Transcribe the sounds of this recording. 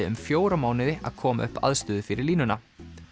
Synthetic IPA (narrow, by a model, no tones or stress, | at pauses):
ɪʏ̰mfjoːwɾamaːwnɪðɪa̰ðkʰɔːma̰ʔʏhpa̰ðst̪ʏːðʏfɪɾɪɾliːnʏna